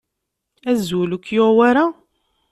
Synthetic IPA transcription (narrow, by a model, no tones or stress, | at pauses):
æzulukjowaɾa